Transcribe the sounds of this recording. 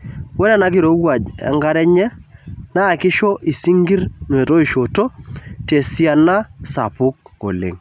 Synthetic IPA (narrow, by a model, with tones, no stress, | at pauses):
we˦ɾa˦na˦ki˦ɾo˦wa˨d͡ʒɛ̰˨ŋɡa˦ɾɛ˦ɲɛ˦na˦˨kɪ˦ʃo˦ʔi˨si˦ŋɡi˦ɾn˨e˨to˦i˦˨ʃo˨to˦te˨si˦a˨na˦sa˨pʊ˦k̚ko̰˨lḛ˨ŋ